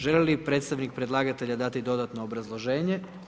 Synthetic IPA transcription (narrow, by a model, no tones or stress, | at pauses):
ʒelelipɾet̪st̪aʋnik̚pɾe̞d̪lˠaːɡat̪e̞ʎad̪at̪id̪o̞d̪at̪no̞ːbɾazlˠo̞ʒe̞ːɲe̞